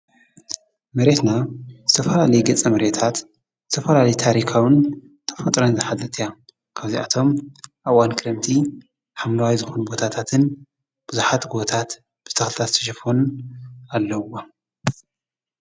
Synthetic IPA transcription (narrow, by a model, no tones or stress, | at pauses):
mɐɾe̞t̪naz̥ɨt̪ʰɐfɐlalɐjɡɐt͡sʼːɐmɐɾet̪ʰat̪ | z̥ɨt̪ʰɐfɐlalɐjt̪ʰaɾikʰawɨn | t̪ʰɐ̥fɐt̪ʼɾɐnzɨħad̪ɐt̪ʰija | kʰaβzia̰t̪ʰo̞mʔaβwankʰɨɾemt̪ʰi | ħamlɐwajzɨxunubo̞t̪ʰat̪ʰat̪ʰɨn | b̥ɨzuħat̪ɡuβot̪ʰat̪ | b̥ɨt̪ʰɐxlɨt̪ʰazt̪ʰɐ̥ʃ̬ɐfon | alːɐa